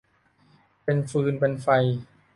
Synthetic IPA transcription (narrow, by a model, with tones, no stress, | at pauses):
pe˧nfɯː˧npe˧nfa˧j